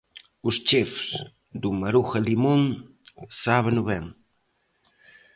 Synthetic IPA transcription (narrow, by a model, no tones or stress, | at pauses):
ust͡ʃefs | d̪umɐɾuxalimuŋ | saβenuβeŋ